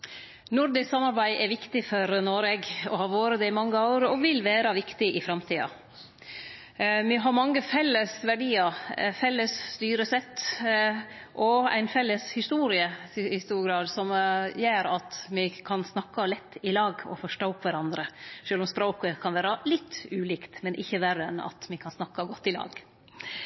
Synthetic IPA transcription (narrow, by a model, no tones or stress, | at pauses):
nʊɾd̪ɪsɑmːɑɾbæɪʔɛɾʋɪkt̪ɪfɔɾnoɾʋeːɡɔ̰hɑʋoːɾəd̪ɛɪmɑŋːəɑʊɾɔʋɪlːʋæːɾɑʋɪkt̪ɪʔɪfɾɑmt̪ʰiːɑ̰ | mɪɦɑɾmɑŋːəfɛlːəsʋæɖiːɑɾfɛlːəsst̪yːɾəsɛt̪ː | ʔɔæ̰ɪnfɛlːəshɪst̪uːɾɪəɪst̪uːɾɡɾɑːd̪sɔmjeːɾɑt̪mɪkʰɑnsnɑkːɑlɛt̪ʰːɪlɑːɡɔ̰fɔʂʈoːʊpːʋæɾɑnd̪ɾəʃøːlʊmspɾoːkəkʰɑnʋæːɾɑlɪt̪ʰːʉːliːkt̪mɛnʔɪçːəʋæɾəɛ̰nɑ̰t̪mɪkʰɑnsnɑkːɑɡɔt̪ːɪlɑ̰ːɡ